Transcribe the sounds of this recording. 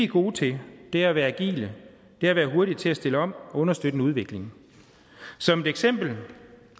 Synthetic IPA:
iɡ̥o̝ːt͡sʰe̝d̥e̝æɐæʋæːɐæɡ̥ḭːlə | d̥e̝æɐʋæːɐɦo̝ɐɾi̥t͡sʰe̝æsd̥e̝ləɒ̽m̰ɔ̽nɐsd̥ød̥ən̩əuð̞ˠʋe̝ɡ̥le̝ŋ̩ | sɒ̽me̝d̥eɡ̥sem̰b̥l̩

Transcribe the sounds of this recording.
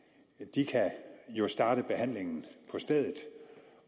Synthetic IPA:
d̥ikʰæjo̝sd̥ɑ̈ːɾ̥əb̥e̝hæn̰le̝ŋn̩pʰɒ̽sd̥eð̰ˠð̩ˠ

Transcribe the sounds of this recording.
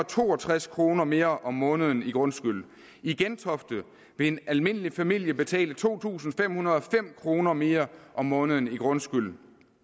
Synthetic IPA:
t͡sʰo̝̰ːɒt͡sʰʁaskʰʁo̝ːnɐme̝ːɐʔɒ̽mːɔ̽ːnəð̞ˠn̩iɡ̥ʁɔ̽nsɡ̥yl̰ | iɡ̥ent͡sʰɒ̽fd̥ð̩ˠ | ʋe̝e̝nælme̝n̰əlifæmil̰jəb̥e̝t͡sʰɛ̰ːlət͡sʰo̝̰ːt͡sʰṵːsn̩fem̰hunɐð̞ˠɒ̽fem̰kʰʁo̝ːnɐme̝ːɐʔɒ̽mːɔ̽ːnð̞ˠn̩iɡ̥ʁɔ̽nsɡ̥yl̰

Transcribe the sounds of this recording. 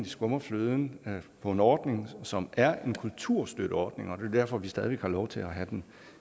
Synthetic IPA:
d̥isɡ̥ɔ̽mɐfløːð̞ˠn̩pʰɒ̽e̝nɒːd̥ne̝ŋsɒ̽mæɐe̝nkʰult͡sʰuɐ̰sd̥øɾ̥əɒːd̥ne̝ŋɒd̥e̝ɐd̥æɐfɒ̽ʋisd̥ɛð̞ˠiʋeɡ̥hɑ̈lɒʊt͡sʰe̝æɦæd̥en

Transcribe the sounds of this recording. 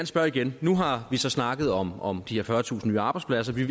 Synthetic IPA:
ɐnəsb̥ɶɐiɡ̥ennːuɦɑ̈ʋisɒ̽snɑ̈ɡ̥ð̞̩ˠɒ̽mɒ̽md̥ihe̝ɐfɶɐt͡sʰṵːsn̩nyːəɑ̈ːb̥ɑ̈ɪ̥spʰlæs̬ɐʋi

